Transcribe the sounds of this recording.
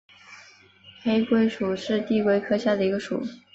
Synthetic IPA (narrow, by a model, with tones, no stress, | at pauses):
xe˥ɪkwe˥ɪʂu˨˩ʂɻ̩˥˧t̪i˥˧kwe˥ɪkʰɤ˥ɕja˥˩d̪ə˩i˧˥ɡə˧ʂṵ˨˩˦